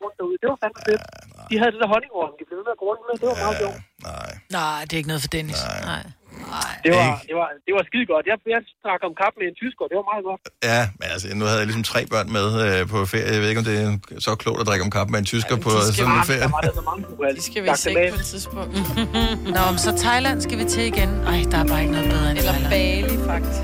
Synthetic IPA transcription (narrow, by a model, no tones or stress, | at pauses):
ond̥æuðˠd̥e̝ʋɑsænfed̥d̥iɦæðˠded̥eɐɦɒ̽ne̝ŋʋɒn̩d̥ib̥le̝en̩ˠæɡ̥oːnuðˠd̥e̝ʋɑmːo̰nɑɪ̰nɑɪd̥e̝eɡ̥ənɔːð̩ˠfɒd̥enisnɑ̈ɪ̰ | d̥e̝ʋɑɡd̥e̝ʋɑ̈d̥e̝ʋɑ̈sɡ̥iðˠɡ̥ɒ̽d̥jɑjad̥ʁɑ̈ɡ̥̩ˠɒ̽mkʰɑ̈b̥əmeent͡sʰysɡ̥ɒd̥e̝ʋɑ̈mɑ̈ːðˠɡ̥ɒ̽d̥jæmenælsənuhæðˠjlis̬ɒmt͡sʰʁɛ̰ːb̥ɶɐ̰nmeðˠøpʰɒ̽fe̝ɐ̰jəjɑʋe̝ðˠe̝̥ɒ̽md̥e̝æsɒkʰlɔ̰ʊd̥æd̥ʁaɡ̥ɒ̽mkʰɑ̈b̥meent͡sʰys̬ɡ̥ɐpʰɒsɔnfeɐ̰jɑdasɒmɑ̈ŋəuælsɡ̥æʋiɑɡ̥eɛ̥t͡sʰiðˠsb̥ɔ̽ŋ̰d̥nɒmensɒ̽t͡sʰɑ̈ɪlæn̰sɡ̥æʋit͡sʰeiɡ̥enʔɑ̈ɪ̰d̥ɑ̈æɐb̥ɑ̈ːe̝ɡ̥nɔ̽ðˠnoːðˠæelɐlbɛːlifɑɡ̥̚d̥is